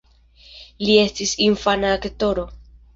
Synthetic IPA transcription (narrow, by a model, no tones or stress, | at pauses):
lie̞stisinfanaːkto̞ɾo̞